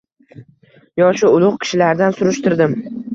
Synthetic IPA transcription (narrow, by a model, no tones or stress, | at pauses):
jɒʃʊʊlˠʊqkʲʰɪ̥ʃɪlaɾd̪ansʊɾʊʃt̪ɪɾd̪ɪm